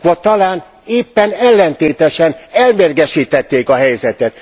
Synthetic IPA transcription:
ʋɒt̪ɒlaːn | eːpːɛnɛlːɛnt̪eːt̪ɛʃɛnɛlmeːrɡɛʃiːt̪ɛt̪ːeːkɒɦɛjzɛt̪ɛt̪

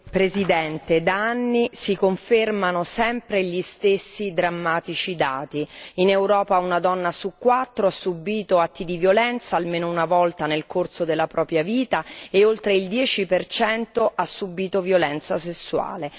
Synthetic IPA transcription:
pɾezid̪ɛnt̪ed̪aanːisikoɱfermanosɛmpɾeʎist̪esːid̪ɾamːaːt̪it͡ʃid̪aːt̪iinewɾɔːpaunad̪ɔnːasukːwat̪ːɾoasːubːiːt̪oat̪ːid̪ivjolɛnt̪saːlmeːnounavɔlt̪anelkorsod̪elːapɾʔɔːpɾjaviːt̪aeolt̪ɾeild̪jɛːt͡ʃipert͡ʃɛnt̪oʔasːubːiːt̪ovjolɛnt̪sasesːua̰ːle

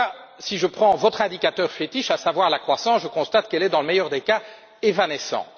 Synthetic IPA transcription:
siʒəpχɑ̃vɔt̪χɛ̃d̪ikat̪œʁfet̪iʃasavwaʁlakχwasɑ̃sʒəkɔ̃st̪at̪kɛlɛd̪ɑ̃ləmɛjœʁd̪eka | evanɛsɑ̰̃

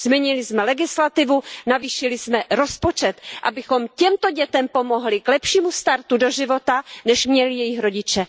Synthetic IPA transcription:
zmɛɲɪlɪsmɛlɛɡɪslat̪ɪvunaviːʃɪlɪsmɛɾo̞spo̞t͡ʃɛt̪ʔabɪxo̞mcɛmt̪o̞ɟɛt̪ɛmpo̞mo̞ɦlɪklɛpʃiːmust̪aɾt̪udo̞ʒɪvo̞t̪anɛʃmɲɛlɪjɛjɪxɾo̞ɟɪt͡ʃɛ

